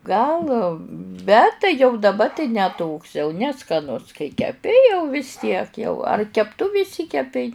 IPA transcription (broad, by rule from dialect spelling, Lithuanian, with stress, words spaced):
ˈɡɐlˠ ˈbʲɛt tɐɪ jɛʊ dɐˈbɐ tɐɪ nʲɛ toːks jɛʊ nʲɛskɐˈnʊs kɐɪ kʲɛˈpʲɪ jɛʊ ʋʲɪs ˈtʲiɛk jɛʊ ɐr kʲɛpˈtʊʋʲɪ ɪˈʃʲsʲiːkʲɛpʲɛɪ